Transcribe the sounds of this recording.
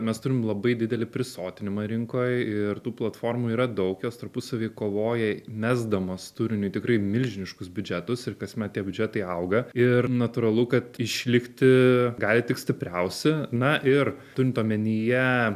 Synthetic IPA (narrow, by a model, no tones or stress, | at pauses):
mʲɛst̪ʊɾʲɪmlˠɐbɐɪd̪ʲɪd̪ʲɛlʲɪpʲɾʲɪsoːt̪ʲɪnʲɪmɐɾʲɪŋkoːjɪrt̪uːplˠɐt̪foːrmuːiːɾɐd̪ɐʊkjoːst̪ɐɾpʊsɐʋʲeːkoːʋoːjɛmʲæːzd̪ɐmɐst̪ʊɾʲɪnʲʊɪt̪ʲɪkɾɐɪmʲɪlʲʒʲɪnʲɪʃkʊsbʲʊd͡ʒʲæt̪ʊsɪrkɐsʲmʲɛt̪t̪ʲiɛbʲʊd͡ʒʲæːt̪ɐɪɐʊɡɐɪrnɐt̪ʊːɾɐlˠʊkɐt̪ɪʃʲlʲɪkt̪ʲɪɡɑːlʲɪt̪ʲɪksʲt̪ʲɪpʲɾʲɛʊsʲɛnɐʔɪrt̪ʊɾʲɪmt̪oːmʲɛnʲɪjɛ